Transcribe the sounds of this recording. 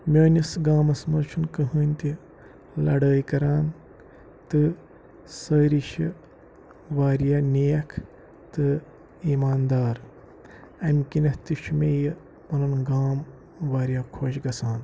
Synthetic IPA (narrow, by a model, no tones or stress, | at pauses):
mʲoːnʲisɡaːmɐsmɐɾt͡ʃʰunkɐɦɨːnʲt̪i | lɐ̰ɽəːjkɐɾaːn | t̪ɨ | səːɾiʃi | ʋaːɾjaːnʲejɐkʰ | t̪ɨ | imaːnd̪aːɾ | ɐmkinɐht̪iʃmej | unɐnɡaːm | ʋaːɾjaːkʰoːʃɡɐsaːn